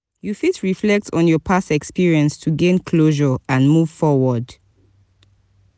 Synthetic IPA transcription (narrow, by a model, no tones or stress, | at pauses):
jufitɹiflɛk̚tɔ̃njɔpʰasɛkspiɹiə̃nstʰuɡẽnkʰloʒəãnmuv̥fɔwɔd